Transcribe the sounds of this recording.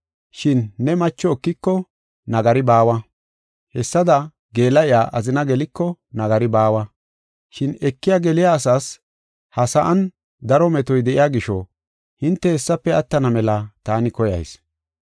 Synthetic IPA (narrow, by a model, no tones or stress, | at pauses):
ʃɪnːɛmɐt͡ʃːɔːkːɪkːɔ | nɐɡɐɾɪbaːwɐ | hɛsːɐd̪ɐ | ɡe̞ːlɐjɪaːʔɐzɪnɐɡɛlɪkːɔnɐɡɐɾɪbaːwɐ | ʃɪnɛkːɪjaɡɛlɪjaːsaːs | hɐsɐʔɐn | d̪ɐɾɔmɛt̪ɔjd̪ɛʔɪjaːɡɪʃɔ | hɪnt̪ːɛhɛsːɐpːɛɐt̪ːɐnɐmɛlɐt̪aːnɪkɔjɐ̰js